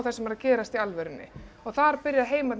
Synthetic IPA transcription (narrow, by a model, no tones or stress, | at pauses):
wθɛsːɪmaɾaðcɛːɾast̪ialvɛɾʏnːɪ̰ | ɔɣθaɾpɪɾjaðɦeːjmat̪n